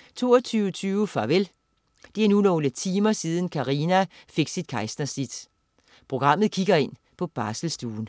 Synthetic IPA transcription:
t͡sʰo̝̰ːɐt͡sʰyːʊət͡sʰyːʊfɑʋel | d̥e̝enulɒʊlət͡sʰiːmɐsið̞ˠn̩kʰɑʁiːnæfe̝ɡ̥sid̥̚kʰɑ̈ɪsd̥ɐsid̥ | pʰʁo̝ɡ̥ʁɑ̈m̰ð̞̩ˠkʰiɡ̥ɐe̝n̰ | pʰɒ̽b̥ɑ̈ːsl̩sd̥uːn̩

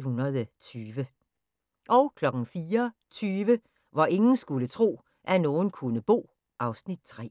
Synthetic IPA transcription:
hunɐðˠət͡sʰyːʋə | ʔɒ̽ʊkʰlɒ̽ɡ̥n̩fiːɐt͡sʰyːʋə | ʋɑ̈ʔe̝ŋn̩sɡ̥ulət͡sʰʁo̝̰ː | ʔænɔːn̩kʰunəb̥ɔ̝̰ː | ʔɑ̈ʊsnid̥̚t͡sʰʁɛ̰ː

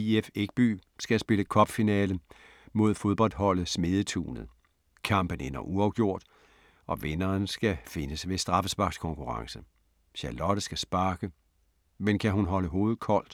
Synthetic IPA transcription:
iefeɡ̥̚b̥y̰ːsɡ̥æsb̥e̝ləkʰɒ̽b̥finɛːlə | mo̝ð̞̰ˠfo̝ð̞ˠb̥ɒ̽l̰d̥ɦɒ̽l̰ð̩ˠsme̝ðˠət͡sʰṵːnəð̩ˠ | kʰɑ̈m̰b̥ənenɐʔuɑ̈ʊɡ̥jo̝ɐ̰d̥ | ɒ̽ʋenɐːnsɡ̥æfe̝nəsʋe̝sd̥ʁɑ̈fəsb̥ɑ̈ɡ̥skʰɒ̽ŋkʰuʁɑ̈ŋsə | ɕɑlɒ̽ɾ̥əsɡ̥æsb̥ɑ̈ːɡ̥ə | menkʰæɦunɦɒ̽ləɦo̝ːð̩ˠkʰɒ̽l̰d̥

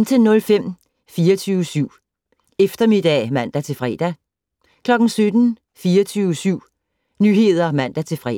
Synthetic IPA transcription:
nt͡sʰe̝lnɔ̽lfem̰ | fiːɐt͡sʰyːʊəsyʊ̰ | efd̥ɐme̝d̥ɛ̰ːmæn̰d̥æt͡sʰe̝lfʁɛ̰ːd̥æ | kʰlɒ̽ɡ̥n̩sød̥n̩ | fiːɐt͡sʰyːʊsyʊ̰ | nyɦe̝ð̞̰ˠɐmæn̰d̥æt͡sʰe̝fʁɛ

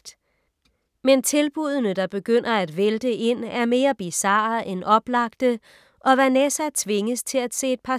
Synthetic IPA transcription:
d̥ | ment͡sʰe̝lb̥uð̞ˠnəd̥ɑ̈b̥e̝ɡ̥øn̰ɐæd̥ʋeld̥əʔe̝n̰æɐme̝ːɐb̥isɑ̈ʔenʔɒ̽b̥lɑ̈ɡ̥̚d̥ə | ʔɒ̽ʋænɛsæt͡sʰʋe̝ŋəst͡sʰe̝læd̥se̝̰ːed̥̚pʰɑ̈

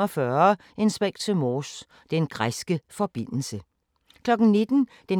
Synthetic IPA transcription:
ɒfɶɐ | e̝nsʋeŋ̰̥t͡sʰe̝mɔːs | d̥enɡ̥ʁasɡ̥əfɒ̽b̥en̰l̩sə | kʰlɒ̽ɡ̥n̩ne̝d̥n̩ | d̥e

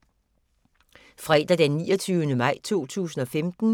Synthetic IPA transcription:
fʁɛːd̥æd̥enːiːɒt͡sʰyːʊənəmɑ̈ɪ̰t͡sʰo̝̰ːt͡sʰṵːsn̩ɒ̽femd̥n̩

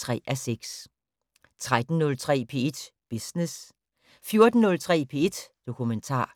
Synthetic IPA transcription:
ʁɛ̰ːʔæseɡ̥s | t͡sʰʁad̥n̩nɔ̽lt͡sʰʁɛ̰ːpʰe̝̰ːe̝d̥b̥isnes | fjo̝ɐd̥n̩nɔ̽lt͡sʰʁɛ̰ːpʰe̝̰ːe̝d̥d̥o̝kʰument͡sʰɑ̰̈ː

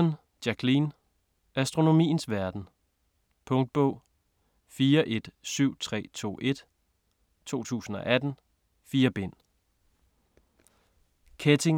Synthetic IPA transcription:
n | d̥jækʰlin | æsd̥ʁo̝no̝mḭːn̩sʋæɐd̥n̩ | pʰɔ̽ŋd̥̚b̥ɔ̽ʊ̰ | fiːɐʔe̝d̥syʊ̰t͡sʰʁɛ̰ːt͡sʰo̝̰ːʔe̝d̥ | t͡sʰo̝̰ːt͡sʰṵːsn̩ɒ̽ʔæd̥n̩ | fiːɐb̥e̝n̰ | kʰet͡sʰe̝ŋ

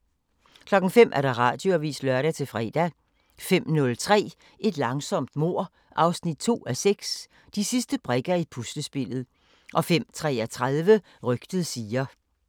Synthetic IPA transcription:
kʰlɒ̽ɡ̥n̩fem̰ʔæɐɾ̥ɑ̈ʁɑ̰̈ːd̥jo̝æʋḭːsd̥lœɐɾæt͡sʰe̝lfʁɛ̰ːd̥æ | fem̰nɔ̽lt͡sʰʁɛ̰ː | ʔe̝d̥lɑ̈ŋsɒ̽m̰d̥mo̝ɐ̰ | ʔɑ̈ʊsnid̥̚t͡sʰo̝̰ːæseɡ̥s | d̥isisd̥əb̥ʁɛɡ̥ɐipʰusd̥əsb̥e̝l̰ð̩ˠ | ʔɒ̽fem̰t͡sʰʁɛ̰ːɐt͡sʰʁað̞ˠʋə | ʁœɡ̥d̥əð̩ˠsiːɐ

